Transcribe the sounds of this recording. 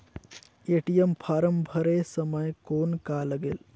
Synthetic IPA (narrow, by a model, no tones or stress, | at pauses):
eʈijempʰaːɾəmbʱəɾesəməjkoːnkaləɡel